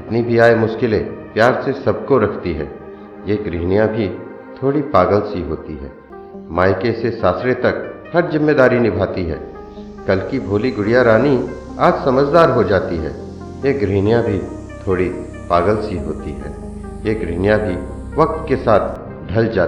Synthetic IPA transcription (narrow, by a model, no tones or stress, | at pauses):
ɪt̪nibʱiaːemʊʃkɪlepjaːɾsesɐb̚ʱkoɾɐkʰt̪iɦɛ̰ː | jeɡɾiːnjãbʱi | t̪ʰoːɽipaːɡəlsiɦoːt̪iɦɛ̰ː | maːɪkesesaːsɾet̪ɐkhɐɾzɪmːeːd̪aːɾinɪbʱaːt̪iɦɛ̰ː | kɐlkibʱoːliɡʊɽijaɾaːni | aːd͡ʒsɐməd͡ʒd̪aːɾɦod͡ʒaːt̪iɦɛ̰ː | jeɡɾiːnijãbʱi | t̪ʰoːɽi | paːɡəlsiɦo̰ːt̪iɦɛ̰ː | jeɡɾiːnjãbʱi | ʋɐk̚t̪kesaːt̪ʰ | ɖʱɐld͡ʒaː